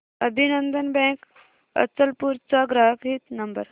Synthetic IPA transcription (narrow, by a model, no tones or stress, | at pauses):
əbʱinənd̪ənbɛ̃ːk | ə̰t͡səlpuɾt͡saɡɾaɦəkɦit̪nɐmbə̰ɾ